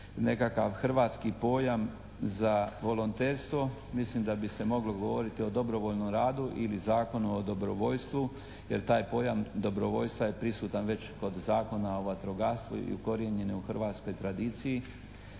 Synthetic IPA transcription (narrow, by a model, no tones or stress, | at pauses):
ne̞kakaʋxr̩ʋaːt̪skipo̞ːjam | zaʋo̞lont̪eːɾst̪ʋo̞ | mislimd̪abise̞mo̞ɡloɡoʋo̞ɾit̪io̞d̪o̞bɾo̞ʋoʎnomɾaːd̪uʔilizaːko̞nuod̪o̞bɾoʋo̞ʎst̪ʋu | je̞ɾt̪aːjpo̞ːjamd̪o̞bɾo̞ʋo̞ʎst̪ʋaje̞pɾisuːt̪anʋe̞t͡ɕko̞d̪zaːko̞naoʋat̪ɾoɡast̪ʋṵḭṵko̞ɾjeɲe̞nuxrʋaːt̪sko̞jt̪ɾad̪iːt̪siji